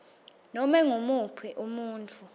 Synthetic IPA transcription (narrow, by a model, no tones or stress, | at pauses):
nɔmɛŋomupʰwiʔumuːntʰʼu